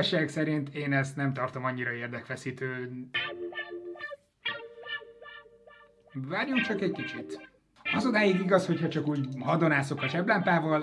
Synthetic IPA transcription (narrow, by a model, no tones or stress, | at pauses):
ʃaːksɛɾint̪eːnɛst̪nɛmt̪ɒrt̪o̞mɒɲːiɾɒeːrd̪ɛkfɛsiːt̪øː | vaːɾjomkt͡ʃɒkɛckit͡ʃit̪ | ɒzod̪aːjiɡiɡɒsho̞chɒt͡ʃɒkuːɟɦɒd̪o̞naːso̞kɒt͡ʃɛblaːmpaːvɒl